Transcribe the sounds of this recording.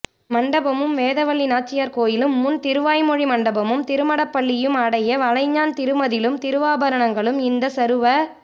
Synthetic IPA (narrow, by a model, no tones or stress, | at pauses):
mɐɳɖɐbɐmɯmʋeːðɐʋɐɭːinaːt͡ʃːɪjaːɾkoːjɪlɯmːʊnt̪ɪɾɯʋaːjmɔɻimɐɳɖɐbɐmɯmt̪ɪɾɯmɐɽɐpːɐɭːɪjɯmɐɽɐjɐʋɐɻɐɪɲːaːnt̪ɪɾɯmɐðɪlɯmt̪ɪɾɯʋaːbɐɾɐɳɐŋɡɐɭɯmɪnd̪ɐsɐɾɯʋɐ